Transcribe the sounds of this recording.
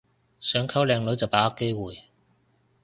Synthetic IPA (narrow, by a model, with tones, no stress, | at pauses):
sœː˨˥ŋkʰɐ˥wlɛː˧ŋlɵ˨˥ɥt͡sɐ˨wpaː˨˥ɐ˥kːe˥jwuː˨j